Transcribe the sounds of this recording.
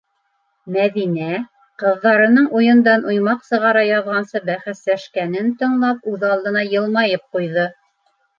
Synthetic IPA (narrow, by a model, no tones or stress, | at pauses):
mæðinæ | qɤ̆ðːɑɾɤ̆nɤɴʔujɤ̆nd̪ɑnʔujmɑqsɤ̆ʁɑɾɑjɑðʁɑnsɤbæχæslæʃkænɘnt̪ɤ̆ɴlˠɑp̚ʉðɑlˠd̪ɤ̆nɑjɤ̆lˠmɑjɤp̚qujðɤ